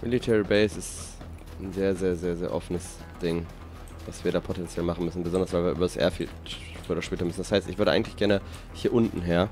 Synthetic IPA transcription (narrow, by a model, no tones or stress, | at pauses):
mʔɪlitʰɛːʁəbeɪsɪst | n̩zeːɐzeːɐzeːɐzeːɐʔɔ̰fənəs | d̥ɪŋ | v̥asv̥iːɐɾaːpʰotɛnt͡sjɛlmaχn̩mʏsn̩bəzɔndɐsvaɪviːɐʔyːbɐdasʔɛ̰ːɐfḭt | fiʔoːdɐʃpɛːtɐmʏsn̩d̥ashaɪstɪçv̥ʏɐɾəa̰ɪŋ̩tlɪçɡ̥ɛɐnə | hiːɐʔʊntn̩ɦeːɐ